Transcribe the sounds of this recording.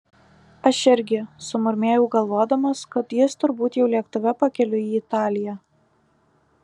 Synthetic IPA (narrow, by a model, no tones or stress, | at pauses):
ɐʃɪɾʲɡʲɪsʊmʊɾʲmʲeːjɛʊɡɐlˠʋoɔd̪ɐmɐskɐt̪jɪst̪ʊɾbuːt̪jɛʊlʲiɛkt̪ʊʋʲɛpɐkʲɛlʲʊiːɪt̪ɑːlʲɪjæː